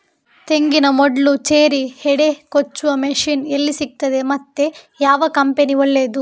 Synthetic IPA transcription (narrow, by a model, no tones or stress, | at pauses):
t̪e̞ŋɡinɐmɔɖɭut͡ʃeːɾihɛɽe̞kot͡ʃːuʋɐmeʂiːnelːisik̚t̪ɐd̪e̞mɐt̪ːe̞jaːʋɐkɐmpeniɐlːe̞ːd̪u